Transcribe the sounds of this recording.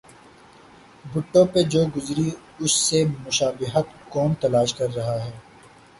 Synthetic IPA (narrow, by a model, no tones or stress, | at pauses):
bʊʈːõped͡ʒoːɡʊzɾi | ʊsːemʊʃaːbɪɦət̪kɔːnt̪ɐlaːʃkɐɾːɐɦaɦɛː